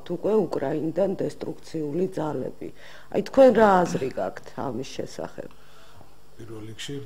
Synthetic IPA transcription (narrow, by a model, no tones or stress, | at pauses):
t̪ʰukʼwɛukʼɾainid̪and̪ɛst̪ʼɾukʰt̪sʰiulid̪zalɛ̰bḭ | a̰jt̪ʰkʰwɛnɾaːzɾiɡakʰt̪ʰa̰misʃɛ̰sa̰χɛ̰b̥ | pʼiɾvɛlikʃi